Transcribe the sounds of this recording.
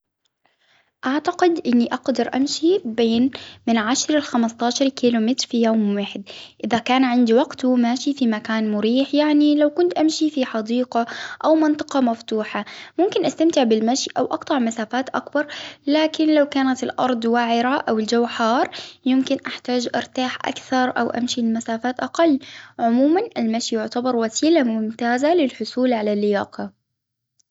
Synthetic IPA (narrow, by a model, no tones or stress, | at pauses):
ʔaʕt̪aqɪd̪ʔɪnːiʔɑqd̪ɑɾˤʔa̰mʃibeːnmɪnʕaʃɾalxamɪst̪ɑːʃɑɾˤkiːlʊmɪt̪ɾfijoːmwaːħɪd̪ʔɪðakaːnʕɪnd̪iwaɡt̪umaːʃifimakaːnmʊɾiːħjaʕnilawkʊnt̪ʔamʃifiħɑd̪iːqɑʔawmɪnt̪ˤɨ̥qɑmaft̪uːħamʊmkɪnʔast̪amt̪ɪʕbɪlmaʃiʔawʔɑqt̪ˤɑʕmasaːfaːt̪ʔakbɑɾˤlaːkɪnlawkaːnat̪ɪlʔɑ̰ɾˤd̪ˤwaʕɪɾaʔawɪld͡ʒawħɑːɾˤjɪmkɪnʔaħt̪aːd͡ʒʔɑ̰ɾˤt̪aːħʔa̰kθɑɾˤʔa̰wʔa̰mʃimasaːfaːt̪ʔaqɑlːʕʊmuːmanɪlmaʃijʊʕt̪abɑɾˤwasiːlamʊmt̪aːzalɪlħʊsˤuːlʕalalːɪja̰ːqɑ